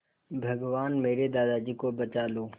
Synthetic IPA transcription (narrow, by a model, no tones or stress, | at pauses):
bʱɐɡʋaːnmeːɾed̪aːd̪ad͡ʒiːkobɐt͡ʃaːloː